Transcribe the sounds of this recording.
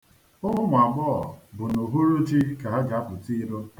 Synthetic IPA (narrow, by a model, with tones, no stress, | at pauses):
ʊ˦ɦʊ˦mʷ˨a˨ɡ͡bɔ˦ɔ˨bʊ˨no˨ɦu˦ɾu˦t͡ʃi˦ka˨ɦa˦d͡ʒa˨˦pʊ˨ti˦ɾo˦